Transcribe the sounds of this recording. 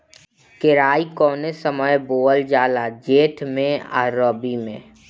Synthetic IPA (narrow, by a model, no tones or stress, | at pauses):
kɪɾaːikɔːnesəməjboːəld͡ʒaːlaːd͡ʒeːʈʰmẽa̰ːɾoːbimẽː